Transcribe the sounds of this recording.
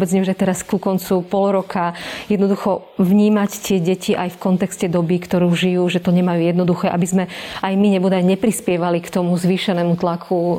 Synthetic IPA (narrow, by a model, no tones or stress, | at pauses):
bɛd͡zɲɛuʒɛt̪ɛɾaskukɔnt͡supɔlɾɔkʰajɛd̪nɔd̪uxɔʋɲiːmact̪ɪɛɟɛciʔajfkɔnt̪ɛkscɛd̪ɔbikt̪ɔɾuːʒijuːʒɛt̪ɔɲɛmajuːjɛd̪nɔd̪uxɛːʔabizmɛajmiɲɛbɔd̪ajɲɛpɾispɪɛʋalikt̪ɔmuzʋiːʃɛnɛːmut̪lakʰu